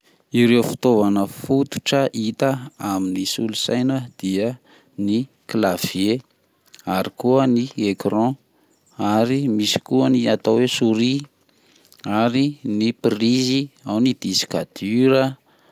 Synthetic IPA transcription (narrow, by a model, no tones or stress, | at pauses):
iɾewfi̥t̪ovanəfut̪u̥ʈ͡ʂəʔit̪əaminisulusajnəd̪̥iə | ni | klav̥je | aɾikuəniekrɔ̃ | aɾimisi̥kuəniat̪awesuɾi | aɾinipriziawnid̪̥isi̥kad̪̥yɾə